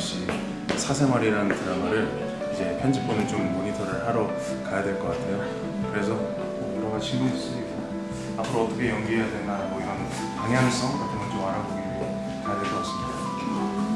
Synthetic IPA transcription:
ɕ͈i | sʰasʰe̞maɾiɾanɯntɯɾaɡaɾɯɭ | id͡ʑe̞pʰjʌnd͡ʑip͈onɯnt͡ɕommoɲitʰʌɾɯɭhaɾo | kajadwe̞ɭk͈ʌk͈atʰe̞jo | kɯɾe̞sʰʌ | okɯɾʌɡaɕʰinuis͈uɲika | apʰɯɾoʌt͈ʌkʰe̞jʌŋɡiɦejadwe̞nnamʌiɾʌn | kaŋansʰʌŋʌtʰenɯnt͡ɕomaɾadɡi | kajadwe̞ɭk͈ʌk͈as͈ɯ̥mɲida

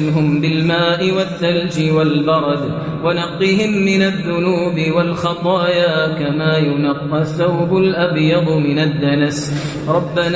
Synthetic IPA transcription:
nɦʊmbɪlmaːʔɪwaθːald͡ʒɪwalbɑɾˤɑd̪ | wanɑqːɨhɪmːɪnaðːʊnuːbɪwalxɑt̪ˤɑːjaːkamaːjʊnɑqːɑθawbʊlʔabjɑd̪ˤmɪnad̪ːanas | ɾˤɑbːan

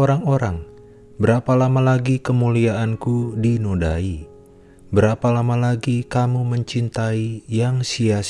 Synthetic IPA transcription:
oɾaŋoɾaŋ | bəɾapalamalaɡikəmuliaʔankudinoda̰i | bəɾapalamalaɡikamuməɲt͡ʃint̪aijaŋsias

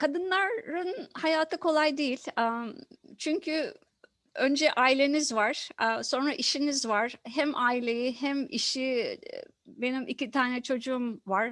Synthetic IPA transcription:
kʰad̪ɯnlˠaɾɯnhajaːt̪ʰɯkʰo̞lˠajd̪ejilʲat͡ʃʰyɲcʰy | ønd͡ʒɛʔaːilʲe̞nizvaɾ̥so̞nɾaʔiʃinizvaɾ̥ɦæmʔaːilʲejiɦæmḭʃi | be̞nimʔḭcit̪ʰaːnɛt͡ʃʰo̞d͡ʒuːmvaɾ̥

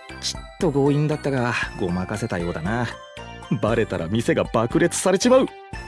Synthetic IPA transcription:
t͡ɕi̥t̪ːo̞ɡo̞ːĩnd̪at̪ːaɡaɡo̞makase̞t̪ajo̞ːd̪anaː | baɾe̞t̪aɾa̰mʲise̞ɡabakɯ̟ɾe̞t͡sɨ̥saɾe̞ɕimaɯ̟

